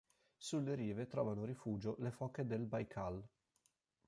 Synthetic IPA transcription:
sulːeɾiːvet̪ɾɔːvanoɾifuːd͡ʒolefɔkːed̪elbajkʰal

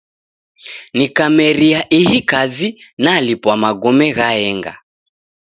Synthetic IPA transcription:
nikamɛɾiaʔihikazinalipwamaɡɔmɛɣaɛŋɡa̰

